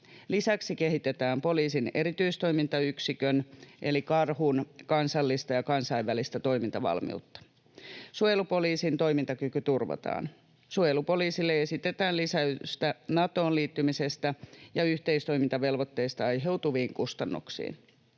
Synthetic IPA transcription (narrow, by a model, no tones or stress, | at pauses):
lisæksike̞ɦit̪et̪æːmpo̞liːsine̞ɾit̪yist̪o̞imint̪ɑyksikønʔe̞likɑrhunkɑnsɑlːist̪ɑjɑkɑnsɑiʋːælist̪æt̪o̞jmint̪ɑʋɑ̰lmḭut̪ːɑ̥ | sujelupo̞liːsint̪o̞imint̪ɑkykyt̪urʋɑ̰t̪ɑ̰ːn | sujelupo̞liːsilːeesit̪et̪æːnlisæyst̪ænɑt̪o̞ːnliːt̪ːymisest̪æjɑyht̪eist̪o̞jmint̪ɑʋe̞lʋot̪ːe̞ist̪ɑɑjɦeut̪uʋiːŋkust̪ɑnːṵksḭːn